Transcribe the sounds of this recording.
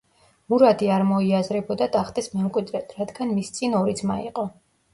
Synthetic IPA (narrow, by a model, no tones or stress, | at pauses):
muɾad̪iaɾmɔiazɾɛbɔd̪at̪ʼaχt̪ʼɛsmɛmkʼwid̪ɾɛt̪ʰɾad̪ɡanmist̪sʼinɔɾid̪zmaiqʼɔ